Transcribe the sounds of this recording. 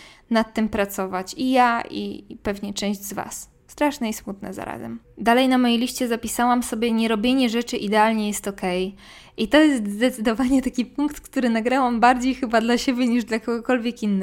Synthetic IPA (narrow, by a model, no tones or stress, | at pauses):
nat̪ːɘmpɾat̪sɔvat͡ɕijaḭpɛvɲɛt͡ʂɛ̃ʑd͡ʑzva̰s | st̪ɾaʂnɛismut̪nɛ̰za̰ɾa̰zɛ̰md̪alɛjnamɔjilʲiʂt͡ɕɛzapʲisawamsɔbʲjɛɲɛɾɔbʲjeɲɛʐɛt͡ʂɘʔid̪ɛalɲɛjɛst̪ɔkɛj | ʔit̪ɔjɛst̪zd̪ɛt̪sɘd̪ɔvaɲɛt̪akʲipuŋkt̪kt̪uɾɘnaɡɾawambaɾd͡ʑejxɘbad̪laɕɛbʲjɛɲiʐd̪lakɔɡɔkɔlvʲjɛkinːɛ